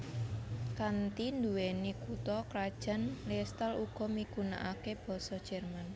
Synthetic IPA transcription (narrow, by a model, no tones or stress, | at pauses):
kant̪ind̪uwenikut̪ɔkɾad̥ʒ̥ä̤nlist̪aluɡ̥ɔ̤mikuna̰ʔakeb̥ɔ̤sɔd̥ʒ̥ɛrman